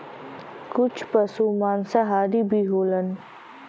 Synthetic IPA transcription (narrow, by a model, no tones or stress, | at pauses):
kʊt͡ʃʰpəsumaːnsaɦaːɾibʱiɦoːlən